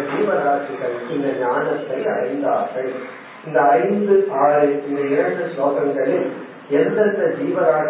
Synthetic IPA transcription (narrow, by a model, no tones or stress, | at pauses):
d͡ʒiːʋɐɾaːʈːɯɣɐɭɪnd̪ɐɲaːnɐt̪ːɐɪɐɽɐɪnd̪aːɾɣɐɭ | ɪnd̪ɐːɪnd̪ɯʔaːɭɐɪnd̪ɐɪɾɐɳd̪ɯsoːɣɐŋɡɐɭɪl | ɛlːɐt̪ːɐd͡ʒiːʋɐɾaːʈ